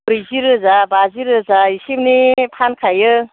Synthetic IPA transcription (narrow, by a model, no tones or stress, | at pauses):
bɾiziɾɯzabaziɾɯzaisibnipʰankʰajɯ